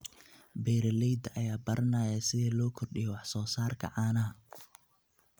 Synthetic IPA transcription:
bɛːɾɐlɛjd̪ʔɐjaːbɐɾʔɐnɐjɐsɪðɛːlɔːkʰɔrɗɪjɔwɑħsɔːsaːrkʰɐ̰ʕɑːnɐɦɐ

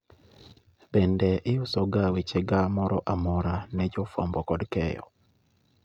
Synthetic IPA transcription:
bɛndɛʔɪʊsɔɡawet͡ʃɛɡamɔɾɔʔamɔɾanɛd͡ʒɔfɔ̰mbɔkɔdkɛjɔ̰

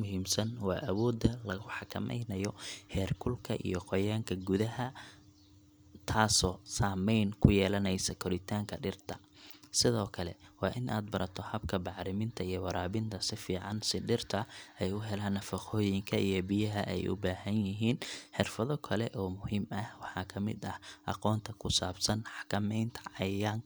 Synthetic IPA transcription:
mʊɦiːmsɐnwɑːʔɐwɔːd̪ɐlɐɣʊħɑkʰɐ̰mɛ̰jnɐjɔhɛːrkʰʊlkʰɐʔḭjɔqɔjaːŋkʰɐɡʊðɐɦɐ | t̪ʰaːsɔːsaːmɛjnkʰʊjɛːlɐnɛjsɐkʰɔɾɪt̪ʰaːŋkʰɐɖɪrt̪ʰɐ | sɪðɔːkʰɐlɛ̰wɑːʔɪnʔa̰ːd̪bɐɾɐt̪ʰɔhɐbkʰɐbɑʕɾɪmɪnt̪ʰɐijɔwɐɾaːβɪnt̪ʰɐsɪfiːʕɑnsɪɖɪrt̪ʰɐɛjʊɦɛlaːnɐfɐqɔːjɪŋkʰɐʔijɔbɪjɐɦɐʔɛ̰jʔʊ̰baːhɐnjɪɦiːnħɪrfɐðɔkʰɐlɛʔɔːmʊhiːmɐhwɑħɑːkʰɐmɪ̰d̪ɐhʔɑ̰qɔːnt̪ʰɐkʰʊsaːbsɐnħɑ̥kʰɐmɛjnt̪ʰɐ̥ʕɑjaːŋ

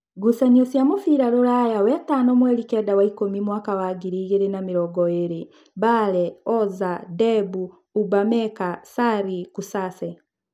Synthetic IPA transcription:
ɡusaɲosjamofiɾaɾoɾajawɛtanɔmwɛlikɛdawaikomimwaːkawaɡiɾiːɣeɾenamiɾɔɡɔeɾe | balɛɔzadɛbuː | bamɛkasaɾikusasɛ

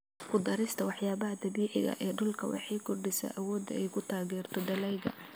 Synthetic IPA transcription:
kʰʊd̪ɐɾɪst̪ʰɐwɑħjaːbɐɦɐd̪ɐbiːħɪɣɐ̰ʔɛːɖʊlkʰɐ̰wɑ̰ħɑjkʰɔrɖɪsa̰ʔɐwɔːd̪ɐ̰ɛjkʰʊt̪ʰaːɣɛːrt̪ʰɔɖɐlɛjɣɐ̰

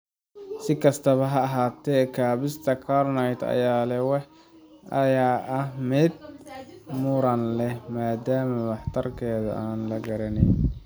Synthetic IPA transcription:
sɪkʰɐst̪ʰɐβɐɦɐːɦaːt̪ʰɛːkʰaːβɪst̪ʰɐkʰɐrnɐjt̪ɐ̰jaːlɛwɑħ | ʔɐjaːʔɐhmɛd̪̚ | mʊɾɐnlɛmaːd̪aːmɐwɑħt̪ʰɐrkʰɛːðɐ̰ʔaːnlɐɡɐɾɐnɛn

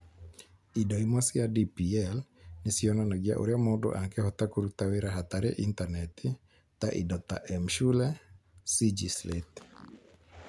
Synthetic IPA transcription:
idɔimasɪadipiɛlnɪsɪɔnanaɡɪa̰ʔo̰ɾjamɔdɔ̰ʔaŋkɛhɔt̪akuɾut̪awɪɾaɦat̪aɾɛ̰ʔint̪anɛt̪ɪ | t̪aʔḭdɔt̪a̰ʔɛmʃulɛsid͡ʒislḛt̪

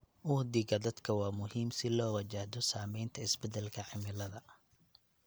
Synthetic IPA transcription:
ʔʊhd̪iɣɐd̪ɐd̪kʰɐwɑːmʊɦiːmsɪlɔːwɐt͡ʃahd̪ɔsaːmɛjnt̪ʰɐɪsbɛd̪ɛlkʰɐʕɪmɪlɐðɐ

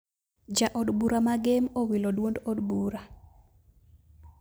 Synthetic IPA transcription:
d͡ʒaʔɔdbuɾamaɡemowilodwondɔdbuɾa

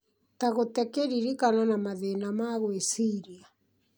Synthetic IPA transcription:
taɣotɛkeɾiɾikanɔnamaðenamaɣwesiɾia

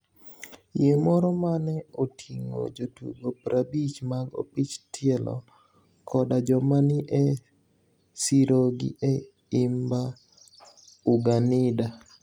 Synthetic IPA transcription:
jemɔɾɔmanɛotʰiŋo̰d͡ʒotṵɡopɾʔabit͡ʃmaɡo̰pit͡ʃtʰɪɛlɔ̰ | kʰɔdad͡ʒɔmanɪʔɛ | siɾoɡɪ̰ʔɛ | imba | uɡanɪda

